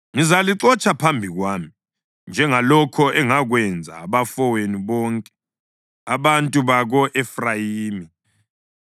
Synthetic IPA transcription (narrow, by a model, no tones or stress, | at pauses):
ŋizaliǁɔt͡ʃʼapʰambʱiɣwaːmi | nd͡ʒʱɛŋalɔkʰɔɛŋaɣwɛnd͡zʱa̰ːβafɔweniβɔːŋkʼɛ̥ | aβantʼuβaɣɔʔɛfrajiːmi